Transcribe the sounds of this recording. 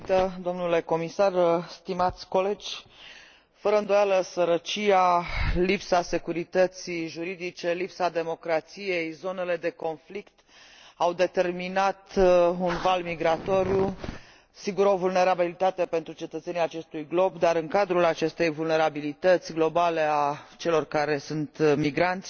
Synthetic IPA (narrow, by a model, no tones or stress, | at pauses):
t̪əd̪o̞mnule̞ko̞misarst̪imat̪sʲko̞le̞d͡ʒʲ | fəɾəɨnd̪o̞jaləsəɾət͡ʃialipsase̞kuɾit̪ət̪siʒuɾid̪it͡ʃe̞lipsad̪e̞mo̞kɾat̪sije̞jzo̞ne̞le̞d̪e̞ko̞nflikt̪ | awd̪e̞t̪e̞rminat̪unvalmiɡɾat̪o̞ɾju | siɡuɾo̞vulne̞ɾabilit̪at̪e̞pe̞nt̪ɾut͡ʃe̞t̪ət̪se̞nijat͡ʃe̞st̪ujɡlo̞bd̪aɾɨŋkad̪ɾulat͡ʃe̞st̪e̞jvulne̞ɾabilit̪ət̪sʲɡlo̞bale̞at͡ʃe̞lo̞rkaɾe̞sunt̪miɡɾant̪sʲ